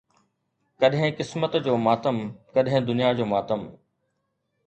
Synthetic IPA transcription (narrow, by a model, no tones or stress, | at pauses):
kɐɗɦɪ̃kɪsmət̪d͡ʑoːmaːt̪əmkɐɗɦɪ̃d̪ʊnijad͡ʑoːmaːt̪əm